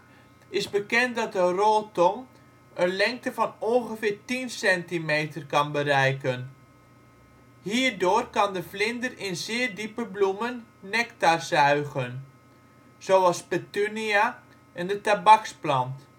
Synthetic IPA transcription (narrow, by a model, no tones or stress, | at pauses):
ɪzbəkɛnt̚dɑt̚dərolˠtɔŋ | ənlɛŋk̚təvɑnonχəfɪːrtinsɛntimejtərkɑnbəɾɛjkən | hiːrdʊːrkɑndəflɪndərɪnzɪːrdipəblumənːɛktarzœɥɣən | z̥owɑlˠspətynia | ʔɛndətabɑksplɑnt